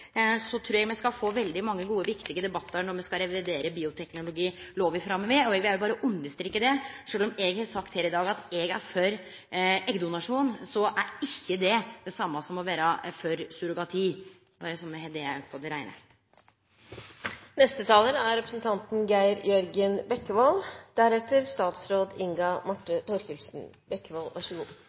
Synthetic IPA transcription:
sɔt̪ʰɾuːɾjɛɡmɛskɑfoːʋɛld̪ɪmɑŋːəɡuːəʋɪkt̪ɪɡəd̪ɛbɑt̪ːəɾɳɔɾmɛskɑɾɛʋɪd̪eːɾəbiːʊt̪ʰɛknʊlʊɡiːloːʋɪfɾɑmːəʋɪɔɛɡʋɪhæɾjʊbɑːɾəʔʉnəʂt̪ɾɪkːəd̪ɛʂøːlɔmɛɡhɑsɑkt̪heːɾɪd̪ɑːɡɑt̪ɛɡæ̰ɾfœɾ | ɛɡd̪ʊnɑʂuːnsɔʔæɾɪçːəd̪ɛd̪̥ɛsɑmːɑsɔmɔʋæːɾɑfœɾsʉɾʊɡɑt̪ʰiː | bɑːɾəsɔmːɛhɛd̪eæpʰɔd̪ɛɾæɪnə̰ | nɛst̪ət̪ʰɑːlənæɾɾɛpɾəsnt̪ʰɑnt̪nɡæɪɾjœɾɡənbɛkːəʋold̪̥æɾɛt̪əɾst̪ɑːt̪sɾoːd̪ɪŋɡɑmɑʈːət̪ʰɔɾçʉlsn̩ | bɛkːəʋɑlʋɑʂəɡuː

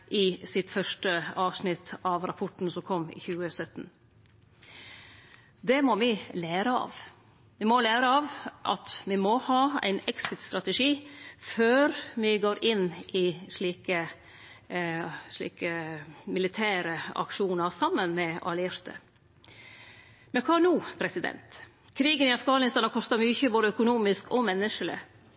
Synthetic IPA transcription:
ʔɪsɪt̪fœʂʈəɑːʋsnɪt̪ʰɑʋɾɑpʰɔʈn̩sɔmkʰɔmːɪ̰çʉːəsœt̪n | d̪ɛmɔʋɪleːɾəɑ̰ːʋ | ʋɪmɔlæːɾəɑːʋʔɑt̪ʋɪmɔhɑːæ̰ɪnɛksɪt̪st̪ɾɑt̪əʂiːføːɾmɪɡoːɾɪnːʔɪʂɭiːkə | ʂɭḭːkəmɪlɪt̪ʰæːɾəɑ̰kʂuːnəɾsɑmːənmɛʔɑ̰lɪɾt̪ə̰ | mɛnkʰɑːnuːpʰɾɛsɪd̪ɛ̰nt̪ | kʰɾiːɡənɪɑfɡɑːnɪst̪ɑːnɑkʰɔst̪əɾmyçəboːd̪əœkʊnuːmɪskɔmɛnːəʂəlɪ̰

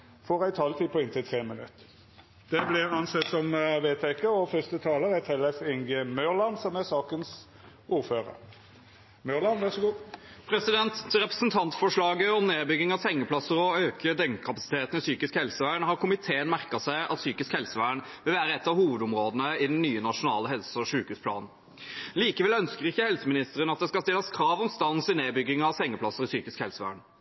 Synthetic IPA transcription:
fɔʁæɪt̪ʰɑːlt̪ʰiːpɔɪnt̪ʰɪt̪ʰʁeːmənʉ̰t̪ː | d̪̥ɛblɪʁɑnsɛt̪ːsɔmʋeːt̪ʰɛkəɔfœst̪ət̪ʰɑːləʁɛt̪ʰɛlɛfɪŋɡəmœlɑnsɔmæsɑːkəns | ʔuːʁføːʁə̰ɾ | mœlɑnʋɑsɔɡupʰɾɛsɪd̪ɛnt̪ɾɛpɾəsənt̪ʰɑnt̪sfɔʂɭɑːɡəɔmneːbʏɡːɪŋɑshɛŋːəpʰlɑsəɾɔøːkʰəd̪ɛŋkʰɑpɑsɪ̥t̪ʰeːt̪n̩ɪsyːkɪskhɛlsəʋæːɳhɑʁkʰʊmɪt̪ʰeːənmæʁkɑsæɪʔɑ̰t̪syːkɪskhɛlsəʋæːɳʋɪlʋæːɾəɛt̪ːɑʋhuːʋəd̪ʊmɾoːd̪ənəɪd̪ɛnnːyːənɑʂʊnɑ̰ːləɦɛlsəɔʂʉːkhʉːspʰlɑ̰ːnn̩ | liːkəʋɛlœnskəʁɪçːəhɛlsəmɪnɪst̪əɾənɑt̪̚d̪ɛskɑst̪ɪlɑskʰɾɑːʋɔmst̪ɑnsɪneːbʏɡːɪŋɑʋsɛŋːəplɑsːəɾɪsyːkɪskhɛlsəʋæ̰ːɳ

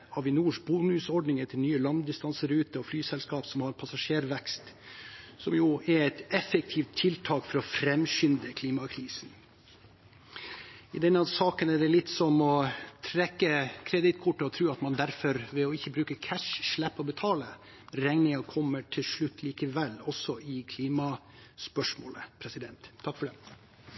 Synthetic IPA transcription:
hɑʋɪnuːʂbunʉsɔɖnɪŋət̪ʰɪlnyːəlɑnd̪ɪst̪ɑnsəɾʉːt̪əɔflyːsɛlskɑːpsɔmhɑɾpʰɑsɑʂeːɾʋɛkst̪ | sɔmjʊɛɾɛt̪ɛfək̚t̪ʰiːft̪ʰːɪlt̪ʰɑːkfɔɾɔfɾɛmʃʏnd̪əkʰliːmɑkʰɾiːsn | ɪd̪ɛnːəɑsɑːkənɛɖɛlɪt̪ːsɔmɔt̪ʰɾɛkːəkʰɾɛd̪ɪt̪kʰʊʈːəɔt̪ʰɾʉːɑt̪mɑnd̪æɾfɔɾʋɛɔɪçːəbɾʉːkəkʰæʂːɭæpːɔbɛt̪ʰɑːlə | ɾɛŋnɪŋɑkʰɔmːəʈʰɪlʂɭʉt̪ːliːkəʋɛlːɔsɔɪkʰliːmɑ | spœʂmoːləpʰɾɛsɪd̪ɛnt̪ʰːɑkːfɔɖɛ

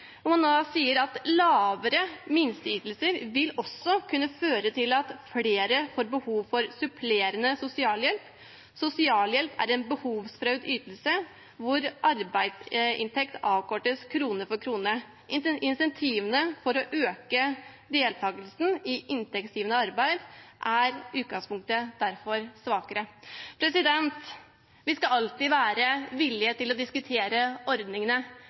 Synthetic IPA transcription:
nɔmɑnːoːsiːəɾɑt̪lɑːʋəɾəmɪnst̪əyːt̪əlsəɾʋɪlɔsːɔkʰʉnːəføːɾət̪ʰɪlɑt̪fleːɾəfoːɾbəhuːʋfɔɾsʉpʰleːɾənəsʊsɪɑːljɛlp | sʊsɪɑːljɛlpæ̰ɾɛnbəhuːʋsfɾœʉd̪yːt̪lsə | ʋʊɾʔɑɾbæɪd̪sɪ̰nt̪ʰɛkt̪ɑːʋkʰɔʈːəskʰɾuːnəɾfɔɾkʰɾuːnəɾ | ɪɪnsɛnt̪ʰiːʋənəfɔɾɔʔøːkə | d̪eːlt̪ʰɑːɡəlsn̩ɪʔɪnt̪ɛksiːʋənəɑɾbæɪd̪ʔæɾʉːt̪ɡɑŋspʰʊŋk̚t̪əd̪̥æɾfɔɾsʋɑːkəɾəpʰɾɛsɪd̪ɛnt̪ | ʋɪskɑɑlt̪iːʋæːɾəʋɪlːɪət̪ɪlɔd̪ɪskʉt̪ʰeːɾəɔɾd̪nɪŋənə

